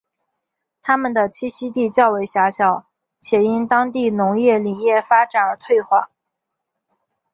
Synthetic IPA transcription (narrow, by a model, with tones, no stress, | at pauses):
t̪ʰa˥mə˨nd̪ə˩t͡ɕʰi˥˩ɕi˥t̪i˥˧t͡ɕjɑ˥˩ʊwe˧˥ɪɕja˧˥ɕjɑ˨˩˦ʊ | t͡ɕʰjɛ˨˧˩i˥nt̪ɑ˥ŋt̪i˥˩nʊ˧˥ŋjɛ˥˩li˨˩jɛ˥˩fa˥ʈ͡ʂa˨˩ə˞˧˥t̪ʰwe˥˧ɪxwa̰˥˩˦